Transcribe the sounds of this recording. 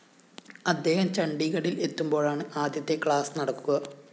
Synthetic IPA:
ɐd̪ːe̞ːhɐmt͡ɕɐɳɖiɣɐɽile̞t̪ːumbo̞ːɭaːɳɨaːd̪jɐt̪ːe̞kɭaːsɨnɐɽɐkːuɣɐ

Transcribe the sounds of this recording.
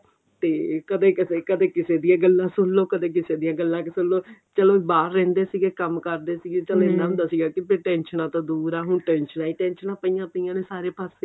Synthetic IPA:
t̪eːkəd̪eːkɪseːkəd̪eːkɪseːd̪ɪjãːɡəlːãːsʊlːoːkəd̪eːk̬ɪseːd̪ijãːɡəlːãːkɪsʊlːoː | t͡ʃəloːbaːɾːɛ̃ːnd̪eːsiːɡeːkəmkəɾd̪eːsiːɡeːt͡ʃəlenãːmd̪aːsiːɡaːkɪpɾiːʈɛ̃ːnʃənãːt̪ãːd̪uːɾaːɦʊɳʈɛːnʃənaːiːʈɛːnʃənãːpəiːãːpəiːãːd̪eːsaːɾeːpaːseː

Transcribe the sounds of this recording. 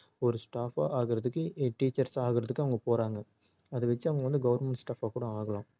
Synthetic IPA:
ɔɾɯsʈaːfa̰ːʔaːɣɪɾɐðɯkːɯʈiːt͡ʃːɐɾsaːɣɪɾɐðɯkːɯɐʋɐŋɡɐpoːɾaːŋɡɐ | ɐðɯʋɛt͡ʃːɯɐʋɐŋɡɐʋɐnd̪ɯɡɐʋɐɾmɛɳʈsʈaːfaːkuːɽɐ̃aːɣɐɭãː

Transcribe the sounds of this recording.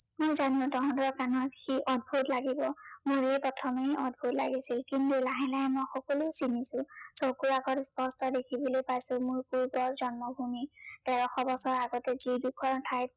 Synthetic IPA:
mʊjzanʊ̃dɔɦɔ̃ndɔɹkanɔtxiʔɔd̚bʱutlaɡibɔmuɹejpɔtʰɔmejɔd̚bʱutla̰ɡisilkintulaɦɛlaɦɛmɔjxɔkɔlujsinisʊ̃sɔkuɹaɡɔtspɔstɔdekʰibɔlojpajsʊmʊɹkuɹɡɔɹzɔnmɔbʱumid̥ɛɹɔxɔbɔsɔɹaɡɔtɛzidukʰɔɹtʰajt

